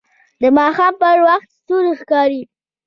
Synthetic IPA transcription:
d̪əmɑxɑmpəɾwaxt̪st̪uɾixkɑɾi

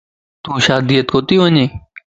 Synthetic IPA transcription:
t̪ũːʃaːd̪ijət̪koːt̪iːʋəɲeː

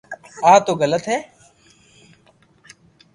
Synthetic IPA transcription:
aːt̪oːɣələt̪ɦeː

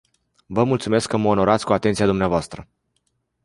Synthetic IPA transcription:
vəmult̪sume̞skːəməono̞ɾat̪sʲkuat̪e̞nt̪sijad̪umneavoast̪ɾə

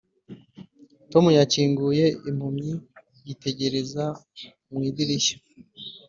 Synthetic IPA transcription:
to̞mujaciːŋɡuːje̞im̥humi | jite̞ɟe̞ɾe̞za | mwiːdiɾiʃḁ

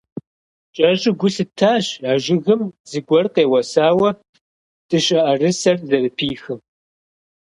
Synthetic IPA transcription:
t͡ʃʼɐɕʼɪɡʷʊɬɨtʰaːɕaːʒɪɣɨmz̥ɨɡʷɔrqeːwɐsaːwɐ | tʼɨɕʼɐʔɐrɨsɐrzɐrɨpʰiːxɨm

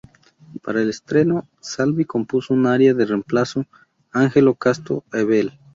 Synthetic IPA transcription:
paɾaelest̪ɾeno̞ | salβiko̞mpusounaɾjaðeremplaso | aŋxelokast̪o̰eβel

